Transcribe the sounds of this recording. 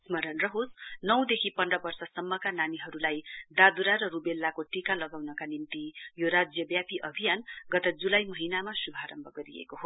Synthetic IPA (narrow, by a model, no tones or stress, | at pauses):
smʌɾʌnrʌɦosnʌw̃d̪ekʰipʌnrʌbʌrsʌsʌmːʌkananiɦʌɾulajd̪ad̪uɾaɾʌɾubelːakoʈikalʌɡawnʌkanimt̪ijoɾad͡zjʌbjapiʔʌbʱijanɡʌt̪ʌd͡zulajmʌɦinamasubʱaɾʌmbʱʌɡʌɾḭḛkoɦo